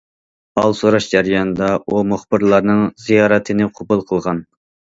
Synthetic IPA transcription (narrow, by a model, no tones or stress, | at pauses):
ɑlˠsoɾɑʃd͡ʒæɾijɑnɨd̪ɑumʊχbɨɾlˠɑɾnɨŋzijɑːɾɛt̪ʰɨnɨqʰobulˠqʰəlˠʁɑn